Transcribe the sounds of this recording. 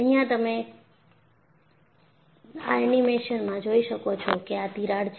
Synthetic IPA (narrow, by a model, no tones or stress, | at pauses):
əɦjãt̪əme | aaɛnimeʃənmãd͡ʒoiʃəkot͡ʃʰɔkeat̪iɾaɽt͡ʃ